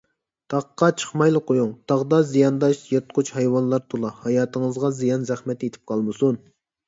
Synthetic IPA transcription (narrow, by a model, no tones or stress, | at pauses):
t̪ʰɑqːɑt͡ʃʰə̥χmɑjlˠəqojuŋt̪ʰɑʁd̪ɑzijɑnd̪ɑʃjet̪qʰʊt͡ʃhɛjwɑnlˠɑɾt̪ʰolˠɑhɑjɑːt̪ʰɨŋɨzʁɑzijɑnzæχmɛt̪et̪ʰɪ̥p̚qʰɑlˠmɨsun